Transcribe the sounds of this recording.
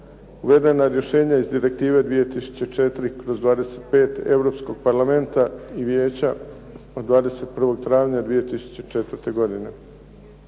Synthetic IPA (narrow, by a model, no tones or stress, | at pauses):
uʋe̞d̪enaɾje̞ʃe̞ːɲaizd̪iɾe̞k̚t̪iːʋe̞d̪ʋijet̪isu̥t͡ɕe̞t͡ʃe̞t̪ɾikɾo̞zd̪ʋaːd̪e̞set̪pe̞ːt̪e̞ʋɾo̞pskoɡ̚paɾlˠame̞nt̪aiʋjeːt͡ɕa | od̪ʋaːd̪e̞se̞t̪̚pr̩ʋo̞ɡ̚t̪ɾaːʋɲad̪ʋijet̪isu̥t͡ɕe̞t͡ʃet̪ʋrɾt̪e̞ɡo̞d̪ine̞